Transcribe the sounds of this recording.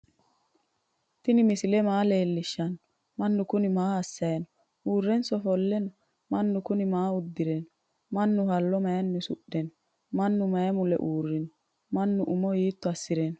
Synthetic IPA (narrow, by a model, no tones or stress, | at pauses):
t̪ɪnɪmɪsɪlɛmaːle̞ːlːɪʃːɐnɔ | mɐnːʊkʊnɪmaːɐsːɐjɐnɔ | uːrːɛnsɔfɔlːɛnɔ | mɐnːʊkʊnɪmaːʊd̪ːɪɾɛn | mɐnːʊhɐlːɔmɐjɐnːɛsʊ̰ɗːɛnɔ | mɐnːʊmɐjɐmʊlɛ̰ʔuːrːɪnɔ | mɐnːʊʔʊmɔjiːt̪ːɔɐsːɪɾɛnɔ̥